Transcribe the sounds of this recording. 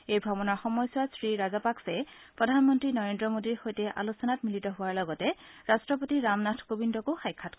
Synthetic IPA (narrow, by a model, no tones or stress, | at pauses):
ejbʱɔbɔnaɹxɔmɔjswasɹiɹazapaksɛpɹɔdʱanmɔntɹinɔɹendɹɔmodiɹxojtɛʔa̰losɔnatmilitɔɦʊwaɹlɔɡɔtɛɹastɹɔp̬otiɹamnatʰkobindɔkoxajkʰːatk